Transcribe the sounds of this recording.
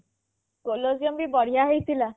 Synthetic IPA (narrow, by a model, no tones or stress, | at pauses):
koloziɔmbibɔɽ̤ijaɦejt̪ʰila